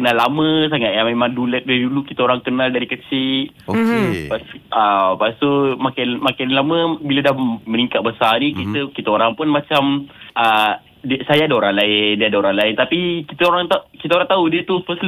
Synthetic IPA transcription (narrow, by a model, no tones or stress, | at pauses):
kənalːamə̃s̬aŋat̪̚jamemaŋdulət̪̚dədulukit̪aoɾaŋkənaldaɾikət͡ʃi | opasʔapast̪umakanmakanlaməbilədahməniŋkat̪̚bəsanikit̪əkit̪əoɾaŋpʊnmat͡ʃamʔə | dəsajaadaoɾaŋlaɪndiəadaoɾaŋlaɪnt̪apikit̪əoɾaŋt̪akit̪aoɾaŋt̪audiət̪upəs